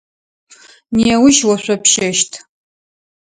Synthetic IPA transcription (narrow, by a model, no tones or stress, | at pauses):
niɛwʊʃwɐɕʷʼɐpʰʃɐʃtʰ